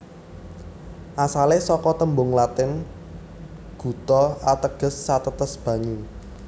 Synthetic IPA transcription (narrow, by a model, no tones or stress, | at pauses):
ʔasalesɔkɔt̪əmbʊŋlat̪ɪn | ɡ̥ṳt̪ɔat̪əɡ̥ə̤sːat̪ət̪əsb̥ä̤ɲu